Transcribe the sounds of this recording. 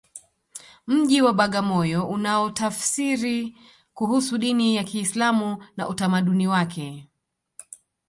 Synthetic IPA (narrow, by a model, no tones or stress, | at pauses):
m̩ʄiwaɓaɠamɔjɔʔunaɔtafsiɾi | kuɦusuɗinijakiːslamuna̰ʔutamaɗuniwakʰɛ